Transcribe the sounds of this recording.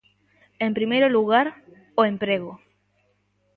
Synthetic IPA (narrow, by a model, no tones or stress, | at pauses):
ẽmpɾimejɾoluɣaɾ | oẽmpɾeɣo